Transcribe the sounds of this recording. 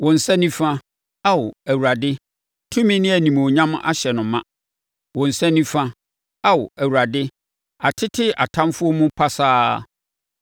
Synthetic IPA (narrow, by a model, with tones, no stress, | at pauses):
wɔ̃˨n̩˨sɛ˦nĩ˦fã˦ | a˦wʊ˨æ˨wu˨ɾa˨dɪ˦ | tʰũ˦mĩ˦nɪ̃˦æ˨nĩ˨m˨o˨ɲã˦ma̰˦ɕɛ˨nʊ̃˨˦mã˦ | wɔ̃˨n̩˨sɛ˦nĩ˦fã˦ | a˦wʊ˨æ˨wu˨ɾa˨dɪ˦ | a˨tʰɪ˦tʰɪ˦a̰˨tʰã˦mfʊ˦ɔ˦mũ˦pʰa˦saː˦